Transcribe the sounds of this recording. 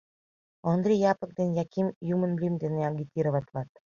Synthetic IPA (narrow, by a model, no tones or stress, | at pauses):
ɔnd̪ɾʲijɑpɤ̆k̚d̪ĕnʲjakʲimʲjumə̆nlʲimd̪enʲeaɡʲit̪ʲiɾovɑt̪ʲlɑt̪